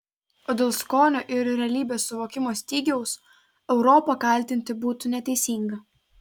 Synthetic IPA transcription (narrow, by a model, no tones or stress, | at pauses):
oːd̪ʲeːlˠskoːnʲoːʔɪɾɾʲɛɐlʲiːbʲeːsːʊʋoːkʲɪmoːsʲt̪ʲiːɡʲɛʊs | ɛʊɾɔːpɐkɐˑlʲˑt̪ʲɪnʲt̪ʲɪbuːt̪uːnʲɛt̪ʲɛɪsʲiːŋɡɐ